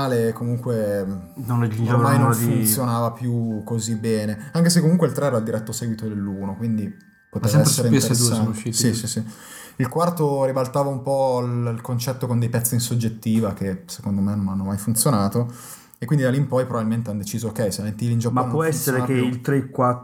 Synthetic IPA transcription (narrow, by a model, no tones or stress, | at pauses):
aːlekomuŋkwe | nonɛid͡ʒɾmmajnonfunt̪sjonaːvapjukozibɛːneaŋkes̬ekːomuŋkweilt̪ɾeɛːɾald̪iɾɛt̪ːosɛːɡwit̪od̪elːuːnokwind̪i | pot̪eːsɛaɛsːeɾeint̪eesːanʃisisisi | ilkwart̪oɾibalt̪aːvaumpɔllkont͡ʃɛt̪ːokond̪ejpɛt̪sːainsod͡ʒet̪ːiːvak̟esekond̪omenonanːomajfunt̪sjonaːt̪o | ekːwind̪id̪aliːmpɔjpɾovabilment̪eanːd̪et͡ʃiːzookɛjseament̪ːilind͡ʒapmapːwɔɛsːeɾekeilt̪ɾeikwa